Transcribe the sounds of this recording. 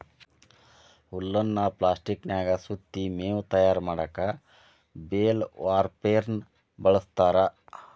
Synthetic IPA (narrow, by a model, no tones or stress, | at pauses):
ulːɐnːɐplaːsʈiknjaːɡɐsut̪ːimeːwut̪ɐjaːɾmaːɽɐkɐ | beːlʋaːɾpeːɾn | bɐɭɐst̪aːɾɐ